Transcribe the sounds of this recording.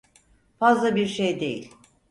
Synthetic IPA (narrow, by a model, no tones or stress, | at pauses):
fazlˠabiɾʃejd̪ejḭlʲ